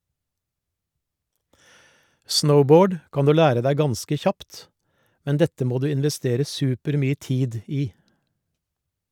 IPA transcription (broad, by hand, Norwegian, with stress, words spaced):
ˈsnəʊˌboːɖ ˈkɑn ˈdʉː ˈlæːɾə ˈdæɪ ˈɡɑnskə ˈçɑpt ˈmɛn ˈdɛtə ˈmoː ˈdʉː ɪnʋɛˈsteːɾə ˈsʉːpəɾˌmyːə ˈtiːd ˈiː